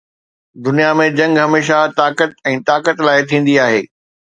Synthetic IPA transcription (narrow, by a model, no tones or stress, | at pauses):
d̪ʊnijamẽd͡ʑɐ̃ŋɡɦɐmeːʃat̪aːkət̪̚ɛ̃ːt̪aːkət̪laːɪt̪ʰĩːn̆d̪iaːɦeː